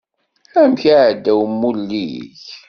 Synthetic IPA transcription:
æmçaʕd̪ːæwəmːulːiç

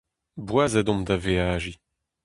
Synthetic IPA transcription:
bwazadɔ̃md̪aveaːʒi

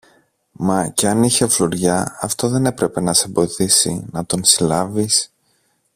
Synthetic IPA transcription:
mɐce̞ɐniçe̞floɾʝɐɐft̪o̞ðe̞ne̞pɾe̞pe̞nɐsebo̞iθisḭnɐt̪o̞nsilɐvis

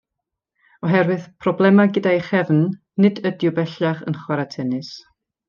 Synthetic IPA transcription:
ɔɦɛɾwɨð̥pʰrɔblˠɛmaɡədajχɛvnː | ɨdədjʊbɛɬaχə̰nχwaɾatʰɛnɨs

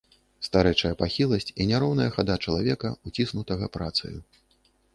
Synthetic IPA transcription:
st̪aɾɛjt͡ʂɐjɐpaxʲilˠɐsʲt͡sʲinʲaɾɔwnɐjɐxad̪at͡ʂɐlˠavʲɛkɐut͡sʲisnut̪ɐɣɐpɾat̪sɨ̰ju

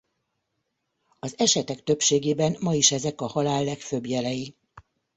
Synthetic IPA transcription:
ɒzɛʃɛt̪ɛkt̪øpʃeːɡeːbɛnmɒiʃɛzɛkɒhɒlaːlːɛkfø̞bjɛlɛji

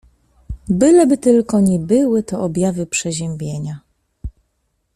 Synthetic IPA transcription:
bɘlɛbɘt̪ɘlkɔɲɛbɘwɘt̪ɔʔɔbʲjavɘpʂɛʑɛmʲbʲjeɲa

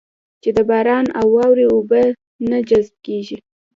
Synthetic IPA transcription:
t͡ʃed̪əbɑɾɑnawːɑwɾeobə | nad͡ʒazb̚keʒi

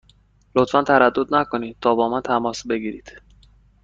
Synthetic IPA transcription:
lo̞t̪fænt̪ʰæɾæd̪ːod̪nækʰo̞niːd̪̚t̪ʰɒːbɒːmænt̪ʰæmɒːsbe̞ɡiːɾiːd̪̥

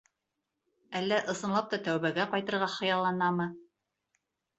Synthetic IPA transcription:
ælːæʔɤ̆sɤ̆nlˠɑp̚t̪ɑt̪æwβæɡæqɑjt̪ɤ̆ɾʁɑχɤ̆jɑlˠɑnɑmɤ

